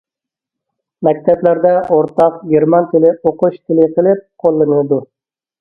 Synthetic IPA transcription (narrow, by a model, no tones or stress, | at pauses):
mɛk̚ʲt̪ʰɛplæɾd̪ɛʔoɾt̪ɑqɡʲeɾmɑnt̪ʰɪlɪoqʊʃt̪ʰɪlɪqʰəlˠɪp̚qʰolˠːɨnɨd̪u